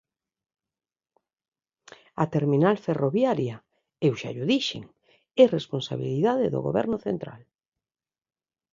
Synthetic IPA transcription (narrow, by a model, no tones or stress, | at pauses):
at̪eɾminalferoβjaɾja | ewʃa̰ʎuðiʃḛŋ | ɛresponsaβ̞ḭliðaðeðo̰ɣo̰βɛ̰ɾnʊθent̪ɾa̰l